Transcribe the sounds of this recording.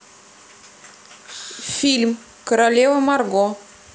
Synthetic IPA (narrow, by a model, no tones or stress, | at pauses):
film | koɾalevəmarɡo